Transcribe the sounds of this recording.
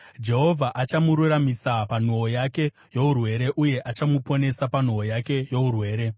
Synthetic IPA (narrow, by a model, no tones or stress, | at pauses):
d͡ʒe̞ɦo̞vʱaʔat͡ʃamuɾuramisapan̤uojake̞ | jo̞urwe̞ɾe̞ʔuje̞ʔat͡ʃamupo̞ne̞sapan̤uojake̞jourwe̞ːɾe̞